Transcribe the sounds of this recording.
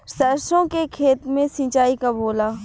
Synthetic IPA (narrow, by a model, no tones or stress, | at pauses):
səɾsõkekʰeːt̪mẽsĩːt͡ʃaːikaboːlaː